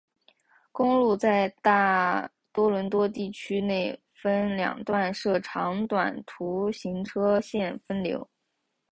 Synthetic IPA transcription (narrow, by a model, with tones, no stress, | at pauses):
kʊ˥ŋlu˥˧t͡sa˥˧ɪt̪a˥˩ | t̪wɔ˥lwə˧˥nt̪wɔ˥t̪i˥˩t͡ɕʰy˥ne˥˩ɪ | fə˥nljɑ̰˨˩ŋt̪wa˥˧nʂɤ˥˩ʈ͡ʂʰɑ˧˥ŋt̪wa̰˨˩nt̪ʰu˧˥ɕi˧˥ŋʈ͡ʂʰɤ˥ɕjɛ˥˩nfə˥nljo̰˧˥ʊ